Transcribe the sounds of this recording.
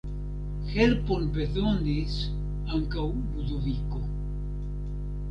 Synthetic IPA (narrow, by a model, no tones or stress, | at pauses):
xeɾponpeθond̪is | aŋkaw | buðuβiko